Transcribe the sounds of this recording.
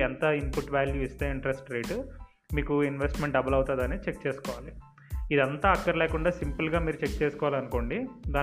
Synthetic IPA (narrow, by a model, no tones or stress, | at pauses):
ɛnt̪ɐimpuʈːʋjaːljuist̪eːiɳʈɾesʈɾe̞ːʈ | miːkuinʋesʈmeɳʈɖɐbɐlɐwt̪aːd̪ɐneːt͡ʃe̞kt͡ʃeːsu̥kɔːʋaːli | id̪ɐnt̪aːɐkːɐɾilɛːkuɳɖaːsimpɐlɡaːmiːɾut͡ʃek̚t͡ʃeːsu̥kɔːʋaːlɐnuko̞ːɳɖid̪aː